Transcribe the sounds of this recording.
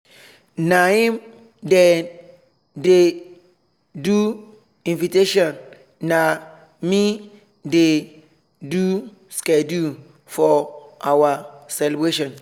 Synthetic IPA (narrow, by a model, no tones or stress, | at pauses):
nãĩm | de | de | du | ĩnviteʃɔ̃nː | a | mĩ | de | du | skɛdu | fɔʔawasɛlɛbɾeʃɔ̃n